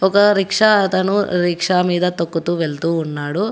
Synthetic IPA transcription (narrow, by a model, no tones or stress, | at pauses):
ɔkɐɾikʂɐɐt̪ɐnuɾikʂaːmiːd̪ɐt̪okːut̪uːʋeɭt̪uːnːaːɽu